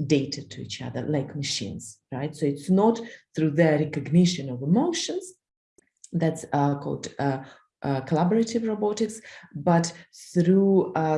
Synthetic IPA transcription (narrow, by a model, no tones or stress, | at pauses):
deɪtʰɨtʰɨḭt͡ʃʌ̰ðə̰˞laɪkməʃḭ̃nz̥ɹaɪtsoʊɪtsnɔtθɹuðəɹɛkɨɡnɪʃɨ̃nɔvəmoʊʃə̃nz̥ | ðætskʰɔ̰lˠd | ʔkʰəlabəɹətɪvɹobɑɾɪksbʌtθɹu